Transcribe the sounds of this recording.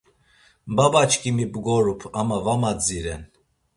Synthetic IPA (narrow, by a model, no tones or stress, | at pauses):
babat͡ʃkʰʼimibɡɔɾupʰamavamad͡ziɾɛn